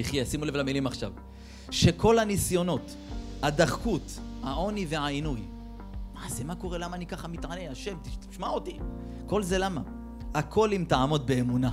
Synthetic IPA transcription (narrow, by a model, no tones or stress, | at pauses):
iχjesimulevlamilimaχʃav | ʃe̞kʰo̞lhanisjo̞no̞t | had̪aχkut̪haʔo̞nive̞ainuj | maʕsemako̞ʁe̞lamaːnikaχamit̪ʕane̞aʃe̞mt̪ii̥ʃmaot̪i | ko̞lze̞lama | akʰo̞limtaʕamo̞t̪̚be̞ːmuna